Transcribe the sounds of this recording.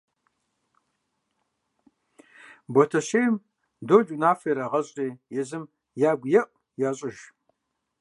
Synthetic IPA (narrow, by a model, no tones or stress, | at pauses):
botʰɐɕejm | dod͡ʒunaːfejɾɐʁɐɕʼiːjɛzɨm | jaːɡʷjɛʔʷ | jaːɕʼɪʒ